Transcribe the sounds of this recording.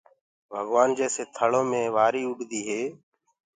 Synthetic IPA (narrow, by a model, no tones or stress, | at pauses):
bʱəɡʋaːnd͡ʒeːseːt̪ʰəɭõːmẽːʋaːɾiːʊɗd̪iːɦeː